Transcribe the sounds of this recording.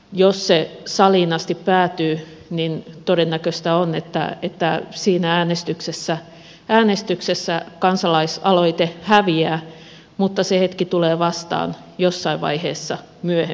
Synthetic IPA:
jossesɑliːnɑst̪ippæːt̪yː | nint̪odenːækøst̪æonet̪ːæ̰et̪ːæsiːnææːnest̪yksesːæ | æːnest̪yksesːækɑnsɑlɑisɑloit̪ehæʋiæː | mut̪ːɑsehet̪kit̪uleːʋɑst̪ɑ̰ːn | josːɑiʋʋɑ̰iheːsːɑ | myøhe

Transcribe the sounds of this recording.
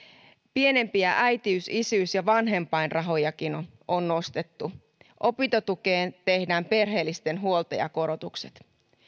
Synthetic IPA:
pie̞ne̞mpiæʔæjt̪iysisyːsjɑʋɑnɦe̞mpɑjnrʔɑɦo̞jɑkinʔonːo̞st̪e̞t̪ːu | ʔo̞pint̪ot̪uke̞ːnt̪e̞hdæːmpe̞rɦe̞ːlːist̪e̞nɦuolt̪ḛjɑ̰ko̞ɾo̞t̪ukse̞̥t̪

